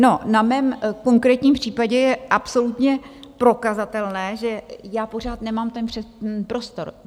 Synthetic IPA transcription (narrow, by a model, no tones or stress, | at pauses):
no̞namɛːmko̞ŋkɾɛːt̪ɲiːmpr̝̥iːpaɟɛjɛʔapso̞lut̪ɲɛpɾo̞kazat̪ɛlnɛːʒɛjaːpo̞r̝aːt̪nɛmaːmt̪ɛnpr̥ɛpɾo̞st̪o̞ɾ